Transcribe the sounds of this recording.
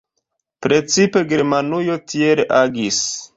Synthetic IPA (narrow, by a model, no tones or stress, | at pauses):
pɾe̞t͡sipe̞ɡe̞ɾmanujo̞tʰieɾeʔaɡis